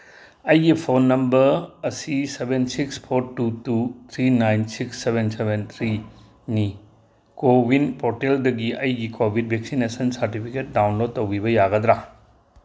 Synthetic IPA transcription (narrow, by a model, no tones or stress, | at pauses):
ɐjɡipʰonːɐmbɐɾɐsisebʱensikspʰoɾtutut̪ʰɾinajnsiksːebensebent̪ʰɾi | ni | kobinpoɾteldɐɡiɐjɡikobʱid̚bʱeksinesɐnsɐɾtipʰiket̚dawnlod̚tɐwɡibɐjaɡɐd̪ɾa